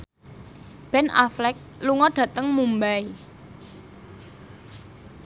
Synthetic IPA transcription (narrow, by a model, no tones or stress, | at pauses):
b̥ɛna̰flɛk̚luŋɔɖ̥ä̤t̪əŋmumbai